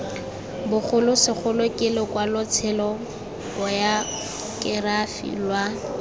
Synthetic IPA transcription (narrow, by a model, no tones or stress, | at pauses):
bʊχʰʊlʊsɪk͡xʰʊlʊkʼɪlɪkwalʊt͡sʰɛlɔ | ɔja | kʼɪrafḭlwa